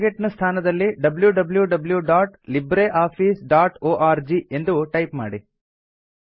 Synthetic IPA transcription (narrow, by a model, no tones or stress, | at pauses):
ɡeʈnɐst̪ʰaːnɐd̪ɐlːiɖɐbljuɖɐbljuɖɐbljuɖaːʈlibɾeʔaːpʰiːsɖaːʈoːʔaːɾd͡ʒie̞nd̪uʈɐjpmaːɽi